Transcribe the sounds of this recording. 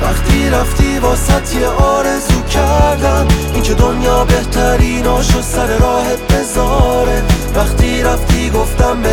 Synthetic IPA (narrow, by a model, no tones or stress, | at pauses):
væχt̪ʰiːɾæft̪ʰiːbɒːsæt̪ʰjeʔɒːɾe̞zuːcʰæɾd̪æm | iŋcʰed̪onjɒːbe̞ht̪ʰæɾiːnɒːʃosæɾeɾɒːhebe̞zɒːɾevæχt̪ʰiːɾæft̪ʰiːɡoft̪æmbe